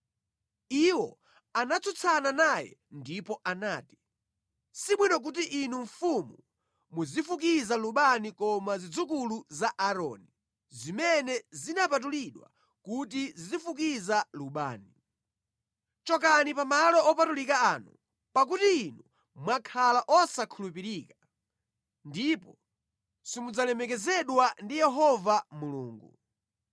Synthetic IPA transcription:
iwɔ̰ | anat͡sʰut͡sʰananajɛ̰ndipɔʔanaːti̥ | siɓwinɔk̬ut̬iʔinuɱfumu | muzifukizaluɓanikɔmazid͡zukuluzaʔaɾɔ̰ːni | zimɛnɛzinapat̬uliɗwa̰ | kut̬izizifuk̬izaluɓa̰ːni | t͡ʃɔk̬anipamalɔɔpatulikaaːnṵ | pak̬utiːnu | mwakʰalaʔɔsakʰulupiɾiːka | ndipɔ | simud͡zalɛmɛkɛzɛɗwandijɛɦɔvamulṵːŋɡu

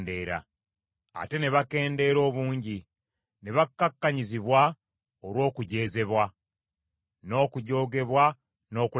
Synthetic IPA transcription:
nde̞ːɾa̰ | a̰te̞ne̞βake̞ːnde̞ːɾo̞ːβuːɲɟi | ne̞βakːakːaɲiziβwa | oɾwo̞ːkuɟe̞ːze̞βwa | no̞ːkuɟo̞ːɡe̞βwa | no̞ːku

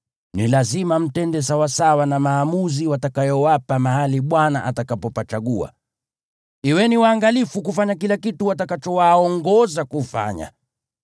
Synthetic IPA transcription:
nilazimam̩tɛndɛs̬awasawanamaːmuziwatakajɔwapamahaliɓwanaʔatakapɔpat͡ʃaɠua̰ | iwɛniwaːŋɡalifukufaɲakilakituwat̬akat͡ʃɔwaɔŋɡɔzakufa̰ɲa̰

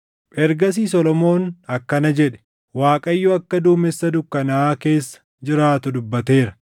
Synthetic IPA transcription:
pɛɾɡɐs̬iːsɔlɔmo̞ːnɐkːɐnɐd͡ʒɛᶑɛ̥ | waːkʼɐjːʊɐkːɐd̪uːmɛsːɐd̪ʊkːɐnaːke̞ːsːɐ̥ | d͡ʒɪɾaːt̪ʊd̪ʊbːɐt̪e̞ːɾɐ̥

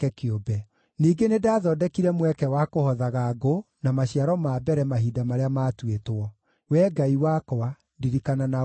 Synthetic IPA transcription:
kɛkjobɛ | niːɡenedaːðɔdɛkiɾɛmwɛkɛwakohɔðaɣaɡo | namaɕiaɾɔmabɛɾɛmaɦiːdamaɾeamaːtwetwɔ | wɛːɡaiwakɔa | ndiɾikanana

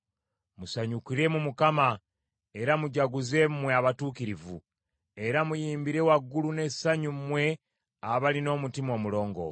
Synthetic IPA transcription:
musaɲukiɾe̞mumukama | e̞ɾamuɟaɡuze̞mmweaβatuːkiɾivṵ | e̞ɾamujiːmbiɾe̞waɡːulune̞ssaɲumwe̞ | aβalino̞ːmutimo̞ːmulo̞ːŋɡo̞̰

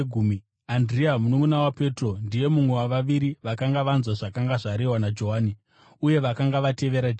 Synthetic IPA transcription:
ɡʱumi | andriamunokunawape̞tro̞ndije̞mumwe̞waʋaʋiɾiʋakaŋɡaʋanzwaʐakaŋɡaʐaɾewanad͡ʒo̞ɦaːni | uje̞ʋakaŋɡaʋate̞ʋe̞ɾad͡ʒe

